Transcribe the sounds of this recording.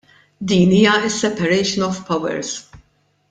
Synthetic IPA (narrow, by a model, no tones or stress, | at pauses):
d̪iːniːjɐɪsːɛpɐɾɛjʃɔnɔvpɐwɛ̰ɾs